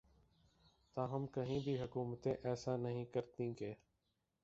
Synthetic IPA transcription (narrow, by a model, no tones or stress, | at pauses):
t̪ãːɦəmkəɦĩːbʱiːɦʊkuːmət̪ẽʔɛːsaːnəɦĩkəɾt̪ĩːɡeː